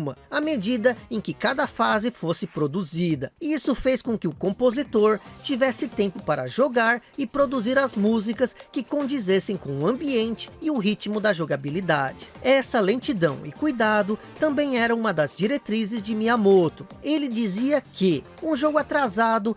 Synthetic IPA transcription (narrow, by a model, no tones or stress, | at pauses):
mɐɐmed͡ʒid̪ɐẽkɪkad̪ɐfazɪfosɪpɾod̪uzid̪ɐisʊfejskõkɪʊkõmpozit̪oɾt͡ʃivɛsɪt̪ẽmpʊpaɾɐ̰ʒoɡaɾɪpɾod̪uziɾɐzmuzikɐskɪkõnd͡ʒizesẽj̃kõʊɐ̃mbiẽnt͡ʃɪ̥ɪʊɦit͡ʃmʊd̪ɐʒoɡabilid̪ad͡ʒɪ̥ɛsɐlẽt͡ʃid̪ɐ̃w̃ɪkujd̪ad̪ʊ | t̪ɐ̃mbẽj̃ɛɾɐũmɐd̪ɐzd͡ʒiɾet̪ɾizɪzd͡ʒɪmiamot̪ʊelɪd͡ʒiziɐkɪ | ũʒoɡʊat̪ɾazad̪ʊ